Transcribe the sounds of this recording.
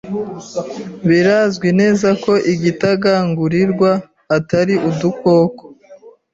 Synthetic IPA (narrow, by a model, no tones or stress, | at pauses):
βiɾazɡwine̞ːzako̞ʔiɡitaɡaːŋɡuɾiɾɡwaː | taɾiʔuduko̞ːko̥